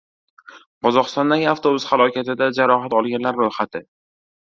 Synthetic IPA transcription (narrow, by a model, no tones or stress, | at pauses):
qʰɒzɒqɨst̪ɒnd̪anʲaft̪ʰoʊz̥χalˠɒkʲʰat̪ɪd̪ad͡ʒaɾɒɦat̪ɒlˠɡʲanlaɾːojχat̪ʰɪ